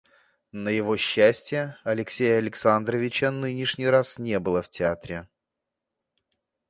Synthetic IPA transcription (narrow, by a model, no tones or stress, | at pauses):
nəjɪvo̞ɕːæsʲtʲjəɐlʲɪksʲejəɐlʲɪksand̪ɾəvʲɪt͡ɕənɨnʲɪʂnʲɪjɾasnʲe̞bɨlˠəftʲɪat̪ɾʲɪ